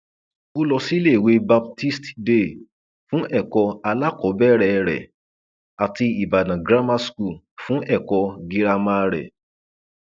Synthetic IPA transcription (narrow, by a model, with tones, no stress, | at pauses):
o˦lɔ˧si˦le˦˨we˨˧ba˧b̚ti˦stde˦˨ | fũ˦ʔɛ˦˨kɔ˧a˧la˦kɔ˨˦bɛ˦˨ɾɛ˨˧ɾɛ̰˨ | a˨ti˧i˨ba˨nã˨ɡɾa˦ma˦sku˦˨ | fũ˦ʔɛ˦˨kɔ˧ɡi˧ɾa˧mã˦ɾɛ̰˨